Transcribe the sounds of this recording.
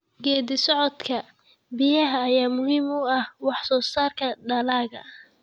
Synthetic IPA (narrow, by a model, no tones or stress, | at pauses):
ɡɛːðɪsɔʕɔd̪kʰɐ | bɪjɐɦɐːjaːmʊhiːmʊɐhwɑħsɔːsaːrkʰɐɖɐlaːɣɐ̰